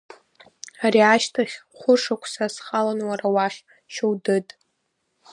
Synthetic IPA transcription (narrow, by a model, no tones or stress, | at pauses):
aɾiaʃtʰaχʲχʷʊʂakʷʰsasχalanwaɾawaχʲ | ʃowdɨtʼ